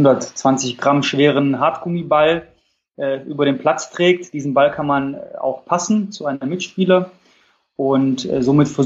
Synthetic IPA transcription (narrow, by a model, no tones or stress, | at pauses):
ʊndɐtt͡sv̥ant͡sɪçɡ̥ʁamʃv̥eːʁ̞ənɦaɐtɡ̥ʊmibal | ʔɛːʔyːbɐɾeːnpl̥at͡stʁ̥ɛːk̚td̥iːzn̩balkʰanmana̰ʊxpʰasn̩t͡suʔaɪnəmɪtʃpiːlɐ | ʔʊntɛ̰ːzoːmɪtfɛɐ